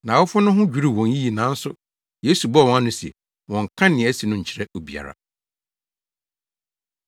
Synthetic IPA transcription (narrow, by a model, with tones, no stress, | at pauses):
nã˨wʊ˦fʊ˦nʊ̃˦ɦʊ̃˦d͡ʑᶣu˨˦ɾi˦˨wɔ̃˨n˦ji˦ji˨nã˨˦n̩˦sʊ˦ | je˦su˨bɔ˦˨wɔ̃˦a˦nʊ̃˦si˨ɛ̰˨ | wɔ̃˨ŋ̩˨kʰã˦nɪ̃˨˦si˨nʊ̃˦ɲ̩˨t͡ɕʰɪ˨ɾɛ˦o˨bi˨a̰˨ɾa̰˨